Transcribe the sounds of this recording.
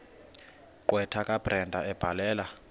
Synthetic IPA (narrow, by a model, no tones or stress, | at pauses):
ǃwɛtʰakʼab̥rɛndʱaɛb̥ʱalɛːla